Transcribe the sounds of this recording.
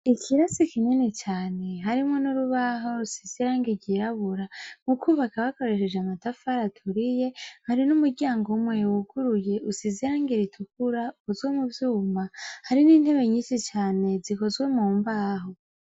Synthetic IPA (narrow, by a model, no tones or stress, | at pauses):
ikʰiɾasikiɲinet͡ʃaːne̞ɦaɾimŋonuɾuβaɦo̞ɾusiziɾaːŋɡiɟiɾaβuɾamukuβakaβako̞ɾe̞ʃe̞d͡ʒeamatafaɾatʰuɾije̞haɾinumuɾɟaːŋɡoumwe̞wuɡuɾuje̞ʔusiziɾaːŋɡiɾitʰukuɾaukozwemuvjuːmbahaɾiniːnhe̞βe̞ɲiːnʃit͡ʃaːne̞ziko̞zɡwe̞muːmbaːɦo̞